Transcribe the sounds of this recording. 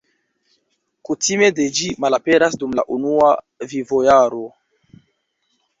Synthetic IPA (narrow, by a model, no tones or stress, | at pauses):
kutʰime̞de̞d͡ʒimalape̞ɾasdumla̰ʔunua | vivojaɾo̞